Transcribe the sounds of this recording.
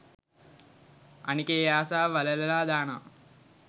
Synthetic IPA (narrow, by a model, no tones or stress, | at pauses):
ɐ̰nikeːjaːsaːʋɐlɐlɐlaːd̪aːna̰